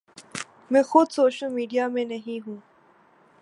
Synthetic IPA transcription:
mɛ̃ːxʊd̪soːʃəlmiːɖijaːmẽnəɦĩɦũː

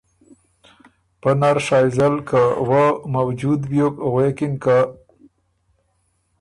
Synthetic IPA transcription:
pənaɾʂɑjzalkawamawd͡ʒud̪bjokwekinka

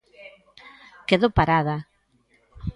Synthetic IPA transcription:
keðopaɾaða

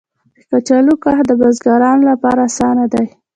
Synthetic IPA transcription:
d̪əkat͡ʃalukahd̪əbazɡaɾɑnolapɑɾasɑnad̪aj

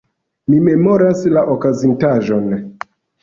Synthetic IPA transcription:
mime̞mo̞ɾaslaʔokazintaʒo̞n

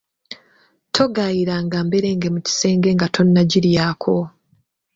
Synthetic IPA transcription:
tʰo̞ɡajiɾaːŋɡaːmbe̞ɾe̞ːŋɡemuci̥se̞ːŋɡe̞ŋɡatʰo̞nːaɟiɾjaːkʰo̞

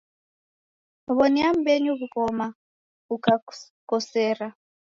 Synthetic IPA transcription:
βɔniam̩beɲuβukɔma | uka | kɔsɛːɾa

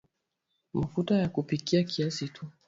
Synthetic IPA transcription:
mafutajakupikiakiasitʰu

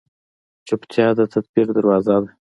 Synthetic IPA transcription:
t͡ʃəpt̪ʰjɑd̪ət̪ʰat̪̚biɾd̪əɾwɑzad̪a

